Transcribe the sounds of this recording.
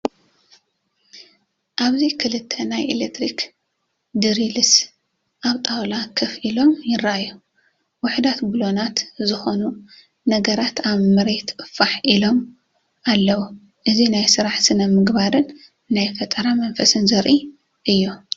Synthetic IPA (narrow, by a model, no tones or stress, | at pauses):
ʔaβzikʰɨlɨt̪ʰːɐnajʔelekt̪ʰɾik | d̪ɨɾilɨs | ʔaβt̪ʼawlakʰɨfilo̞mjɪraʔajːu | wʊħd̪at̪bɨlo̞nat̪zɨxo̞nu | nɐɡɐɾat̪aβmɨɾet̪ɨfaħʔilo̞m | ʔalːɐwu | ʔɨzinajsɨɾaħsɨnɐmɨɡbaɾɨnː | ajfɐt̪ʼɐɾamɐnfɐsɨnzɐɾʔi | ʔɨjːo